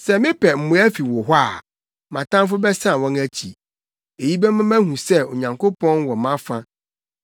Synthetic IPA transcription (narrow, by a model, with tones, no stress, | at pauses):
sɛ˨mɪ̃˦pʰɛ˨m̩˨mʊ̃˨˦æ˦fi˨wɔ˨ɦʷa˦˨ | mã˨tʰã˦m˦f̬ʊ˦bɛ˦sã˦˨wɔ̃˦næ˦t͡ɕʰḭ˨ | e˨ji˦bɛ˦mã˦mæ̃˦hũ˨sɛ˦o˨ɲã˨ŋkʰo˦pʰɔ̃˦nwɔ˨mã˦fã˦